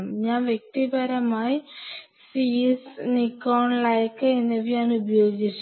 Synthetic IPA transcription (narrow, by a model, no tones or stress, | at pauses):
mɲaːnʋjek̚t̪ibɐɾɐmaːji | sisnikːoːɳlɐjkːɨenːeʋiɲaːnubɐjo̞ːɡit͡ɕːu